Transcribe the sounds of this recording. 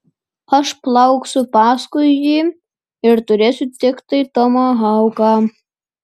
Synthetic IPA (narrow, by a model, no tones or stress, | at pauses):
ɐʃplˠɑʊksʲʊpɑːskʊjjʲiː | ɪɾt̪ʊɾʲeːsʲʊt̪ʲɪkt̪ɐɪt̪ɔmɑɦɑʊkɑː